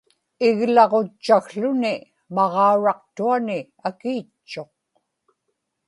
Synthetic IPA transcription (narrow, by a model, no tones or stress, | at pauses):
ɪɣlɑʁot͡ʃːaɣɬʊnɪ | mɑʁɑuɻɑq̚t̪uanɪ | akiːt͡ʃt͡ʃːo̞q̚